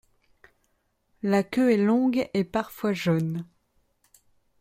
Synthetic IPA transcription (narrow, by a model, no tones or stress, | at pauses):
lakʲøɛlɔ̃ɡepaʁfwaʒon